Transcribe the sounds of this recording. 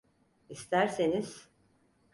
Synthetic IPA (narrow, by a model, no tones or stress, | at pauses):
ist̪ʰæɾseniz̥